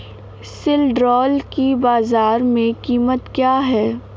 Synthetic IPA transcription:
sɪlɖɾɔːlkibaːzaːɾmẽkiːmət̪kjaːɦɛː

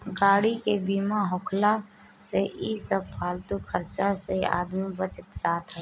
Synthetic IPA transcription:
ɡaːɽikebiːmaɦoːkʰla | seʔisəb̚pʰaːlt̪ukʰəɾt͡ʃasea̰ːd̪mibət͡ʃɪt̪d͡ʒaːt̪ɦɛː

